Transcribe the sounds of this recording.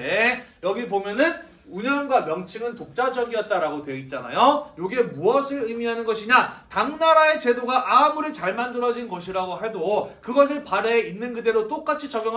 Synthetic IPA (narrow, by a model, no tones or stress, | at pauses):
ejʌɡipomjʌnɯn | uɲʌnɡwamjʌŋt͡ɕʰiŋɯntok̚t͡ɕ͈ad͡ʑʌɡiʌt̚t͈aɾaɡotweit̚t͡ɕ͈ana̰jojoɡe̞muʌsʰɯɾɯmiɦanɯnɡʌɕʰiɲataŋnaɾae̞t͡ɕe̞doɡaʔamuɾit͡ɕaɭmandɯɾʌd͡ʑinnɡʌɕʰiɾaɡoɦedokɯɡʌs̬ʰɯɭpaɾe̞inːɯnɡɯde̞ɾot͈ok͈at͡ɕʰit͡ɕʌɡjʌŋ